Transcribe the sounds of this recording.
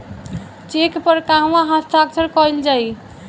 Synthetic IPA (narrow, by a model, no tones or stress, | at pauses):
t͡ʃekpəɾkaɦwãɦast̪ʰakt͡ʃʰəɾkɔjld͡ʒaj